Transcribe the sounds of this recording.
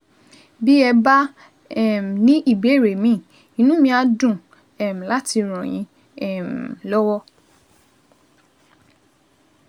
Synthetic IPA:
bi˦ɛ˧ba˦ | ɛ˦˨m˨nĩ˦ʔi˦˨be˨˦˨ɾe˨mĩ˦˨ | i˨nũ˦mĩ˧a˧dũ˦˨ | ɛ˨m̩˨la˦ti˧ɾ̃ɔ̃˨j̃ĩ˧ | ɛ˨m˨lɔ˦wɔ˦

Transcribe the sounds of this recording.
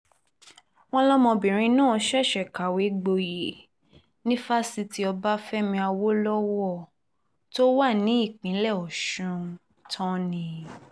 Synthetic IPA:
w̃ɔ̃˦lɔ˦mɔ̃˧bĩ˨ɾ̃ĩ˧nã˦˧ʃɛ˦˨ʃɛ˨ka˨we˨˦ɡ͡bo˧je˨ | nĩ˦fa˦si˧ti˦ɔ˧ba˦fɛ˦mĩ˧a˧wo˦lɔ˦wɔ˦˨ | to˦wa˦˨nĩ˨˦i˦˨k͡pĩ˨˦lɛ˦˨ɔ˨ʃũ˧ | tʰɔ̃˦nĩ˧

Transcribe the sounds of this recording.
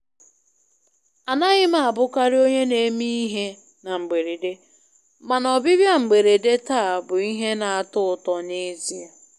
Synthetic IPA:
a˨na˦ɣɪ˦ma˦˨a˨bʊ˦ka˦ɾɪ˦o˦ɲe˦ne˨˦mi˦i˦ɦe˦ | na˨ŋ͡m̩˨ɡ͡be˨ɾe˨de˦ | ma˨nɔ˨bɪ˦bja˦ŋ͡m̩˨ɡ͡be˨ɾe˨de˦ta˦a˨bʊ˨i˦ɦe˦na˨a˨tʊ˦ʊ˨tɔ˨ne˦zi˦a˨

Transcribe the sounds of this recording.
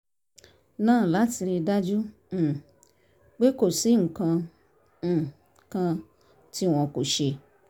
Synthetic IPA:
nãː˦˨la˨˦ti˧ɾi˧da˦d͡ʒũ˦˨ | k͡pe˦ko˨si˦ŋ̩˨kã˧˨ | kã˧ | ti˦w̃ɔ̃˧ko˨ʃe˧

